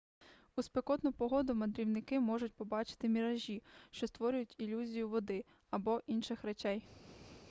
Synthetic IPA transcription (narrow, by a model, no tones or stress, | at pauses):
ʊspekɔt̪nʊpɔɦɔd̪ʊmɐd̪ɾʲiwnɪkɪmɔʒʊtʲpɔbɑt͡ʃɪ̥t̪ɪmʲiɾɐʒʲiʃt͡ʃɔst̪ʋɔɾʲʊjʊtʲilʲuzʲijʊʋɔd̪ɪ | ɐbɔʔinʃɪxɾet͡ʃɛj